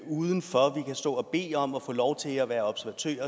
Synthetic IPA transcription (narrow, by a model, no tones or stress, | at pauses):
uːðˠən̩fɒʋikʰæsd̥ɔ̰̽ːɒb̥e̝̰ːɒ̽mɒ̽fɔ̰̽ːlɒʊt͡sʰe̝læʋæːɐɒ̽b̥sɐʋæt͡sʰø̰ːɐ